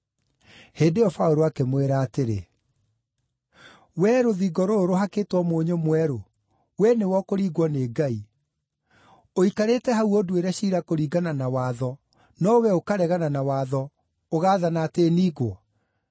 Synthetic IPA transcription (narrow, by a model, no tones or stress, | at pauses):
heːdeɔfaoɾoakemweɾaːteɾḛ | wɛɾoðiɡɔɾoɾoɦaketwɔmoːɲomwɛɾo | wɛnewɔkoɾiːɡwɔneːɡai | oikaɾetɛɦauodweɾɛɕiːɾakoɾiːɡananawaːðɔ | nɔwɛokaɾɛɣananawaːðɔ | oɣaːðanaːteniːɣwɔ